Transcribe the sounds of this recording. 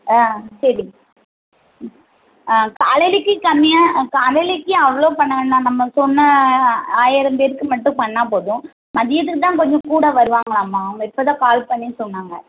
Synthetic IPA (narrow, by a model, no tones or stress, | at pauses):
aːsɐɾi | aːkaːlɛlɪkːɯkɐmːɪjãkaːlɛlɪkːɯɐʋɐɭoːpɐɳːɐŋɡɐnːãːnɐmːɐsɔnːɐaːjɪɾɐmb̪eɾɯkːɯmɐʈːʊ̃pɐɳːaːpoːðʊ̃ | mɐðɪjɐt̪ɯkːɯt̪ːãːkɔɲd͡ʒɔ̃kuːɽɐʋɐɾɯʋaːŋɡɐɭaːmːaːmɐɪpːɐːðãːkaːlpɐɳːinsɔnːaːŋɡɐ